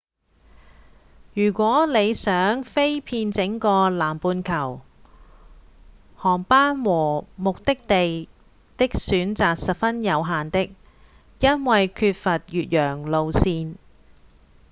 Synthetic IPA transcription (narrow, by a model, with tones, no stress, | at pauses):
jyː˨˩kʷɔː˨˥le˨˧jsœː˨˥ŋfe˥jpʰiː˧nt͡sɪ˨˥ŋkɔː˧laː˨˩mpuː˧nkʰɐ˨˩w | hɔː˨˩ŋpaː˥nwɔː˨˩mʊ˨k̚t̪ɪ˥k̚t̪e˨j | t̪ɪ˥k̚syː˨˥nt͡saː˨k̚sɐ˨t̚fɐ˥njɐ˨˧wɦaː˨nt̪ɪ˥k̚ | jɐ˥nwɐ˨jkʰyː˧t̚fɐ˨t̚jyː˨t̚jœː˨˩ŋlo˧wsiː˧n